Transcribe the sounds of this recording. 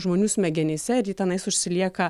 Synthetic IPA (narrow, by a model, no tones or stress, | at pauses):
ʒmoːnʲuːsmʲɛɡʲɛnʲesʲɛɪɾjiːt̪ʲɛnɐɪsʊʃʲsʲɪlʲiɛkɐ